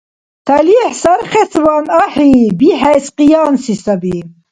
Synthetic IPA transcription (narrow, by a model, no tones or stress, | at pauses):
t̪ʰɐliːħsɐɾχet͡svaːnaħibiɦæjsqijɑːnsisɐbi